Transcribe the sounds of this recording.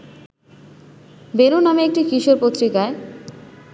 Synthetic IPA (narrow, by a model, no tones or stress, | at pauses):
benunameek̚ʈikɾiʃoɾpot̪ːɾikae